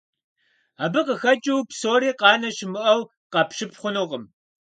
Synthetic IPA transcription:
aːbɨqəxɐt͡ʃʼiwpsoːɾiːqɑːnɐʃɪmɨʔɐw | qɑpʃɨpχʷʊnuːʁəm

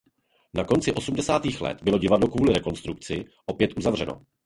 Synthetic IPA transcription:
nako̞nt͡sɪʔo̞sumdɛsaːt̪iːxlɛ̰t̪bɪlo̞ɟɪvadlo̞kvuːlɪɾɛko̞nst̪ɾukt͡sɪ | ʔo̞pjɛt̪ʔuzavr̝ɛno̞̰

